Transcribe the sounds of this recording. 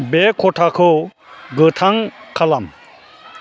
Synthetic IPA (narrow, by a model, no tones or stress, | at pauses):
bekʰɔʈʰakʰɯ | ɡɯt̪ʰaŋkʰalam